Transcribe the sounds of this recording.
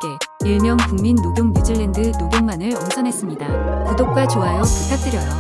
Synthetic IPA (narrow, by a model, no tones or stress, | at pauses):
k͈e̞iɭmjʌŋkuŋminːoɡjoŋɲud͡ʑiɭːendɯnoɡjoŋmanɯɭoŋsʰʌnɦe̞s͈ɯmɲidakudok̚k͈wat͡ɕoɦajʌputʰak̚t͈ɯɾjʌjʌ